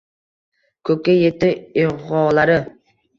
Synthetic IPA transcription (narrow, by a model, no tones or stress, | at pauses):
kʰɵkʲːajet̪ɪɪʁɒːlaɾɪ